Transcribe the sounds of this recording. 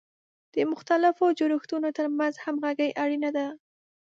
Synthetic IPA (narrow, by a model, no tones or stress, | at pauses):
d̪̥əmʊxt̪alɪfod͡ʒʊɾuxt̪unot̪əɾmanzhamɣaɡəjʔaɽinad̪a